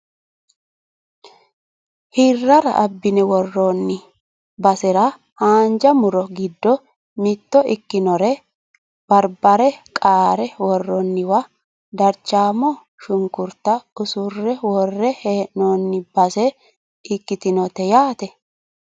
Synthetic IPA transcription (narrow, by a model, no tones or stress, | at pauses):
hɪrːɐɾɐ̰ʔɐbːɪnɛwɔrːoːnːɪ | bɐsɛɾɐ | haːnd͡ʒɐmʊɾɔɡɪd̪ːɔ | mɪt̪ːɔʔɪkːɪnɔɾɛ | b̥ɐɾbɐɾɛkʼaːɾɛwɔrːɔnːɪwɐ | d̪ɐɾt͡ʃːaːmɔ | ʃʊŋkʊɾt̪ːɐʊsʊrːɛwɔrːɛheːnoːnːɪbɐsɛ | ɪkːɪt̪ɪnɔt̪ɛjaːt̪ɛ